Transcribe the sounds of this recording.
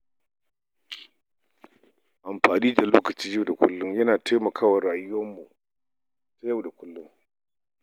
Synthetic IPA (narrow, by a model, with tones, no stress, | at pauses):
ʔa˨mɸaː˨niː˦da˨loː˦kɐ˨t͡ʃiː˦ja˦˨wda˨kʷʊ̰˦lːʊ˦mjɐ˦naː˨tʰa˦jmɐ˨kʰaː˦wa˨ɾaː˨jʊ˦wɐ˦mːu˨ | ta˦ja˦˨wda˨kʷʊ˦lːʊ˦ŋ